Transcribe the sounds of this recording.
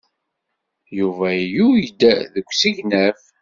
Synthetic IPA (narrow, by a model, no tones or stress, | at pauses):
juvæjujəd̪ːæðəkʷːsiʝnæf